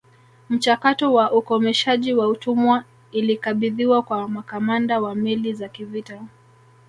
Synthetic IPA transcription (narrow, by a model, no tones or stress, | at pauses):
m̩t͡ʃakatɔwaʔukɔmɛʃaʄiwautumwa | ilikaɓiðiwakwamakamandawamɛlizakivita